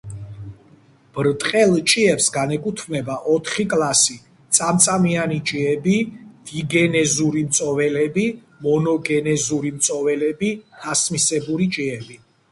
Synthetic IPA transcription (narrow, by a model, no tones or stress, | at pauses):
b̥ɾt̪ʼqʼɛlˠt͡ʃʼiɛpsɡanɛkʼut̪ʰmnɛbaʔɔt̪ʰχikʼlasi | t̪sʼamt̪sʼamianit͡ʃʼiɛbid̪̥iɡɛnɛzuɾimt̪sʼɔvɛlɛbi | mɔnɔɡɛnɛzuɾimt̪sʼɔvɛlɛbiasmisɛbuɾit͡ʃʼiɛbi